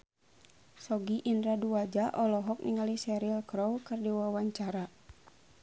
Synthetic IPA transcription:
sɔɡiʔindɾaduad͡ʒaʔɔlɔɦɔk̚niŋalisɛɾilkɾɔwkɨrdiwawaɲt͡ʃaɾa

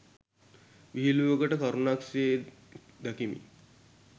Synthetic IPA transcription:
ʋiɦiluʋəɡəʈəkaɾunaksee | d̪akimḭ

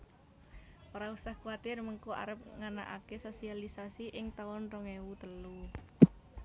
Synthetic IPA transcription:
ʔoɾausahkuat̪ɪrməŋkoa̰ɾəp̚ŋana̰ʔa̰kesosialisasiʔɪŋt̪aʊnrɔŋewut̪əlu

